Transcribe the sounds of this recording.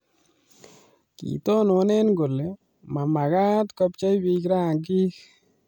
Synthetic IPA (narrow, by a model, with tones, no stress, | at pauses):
kḭ˨t̪o˦no˨ne˦nɡʊ˨le˨ | ma˨ma˨ɣa˦t̪kɔ˦p̚t͡ʃa˦jbi˧kɾa˦˨ŋɡiː˦k